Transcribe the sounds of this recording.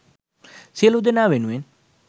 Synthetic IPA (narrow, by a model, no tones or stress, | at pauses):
selod̪enaːʋenuen